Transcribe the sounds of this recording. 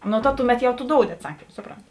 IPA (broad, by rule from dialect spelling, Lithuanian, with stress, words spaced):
ˈnʊ tɐ ˈtʊˌmʲɛt ˈjɛʊ tʊ ˈdoːʊdʲɪ ɐtˈsɑːkʲiːm ˈsʊproːnʲtʲɪ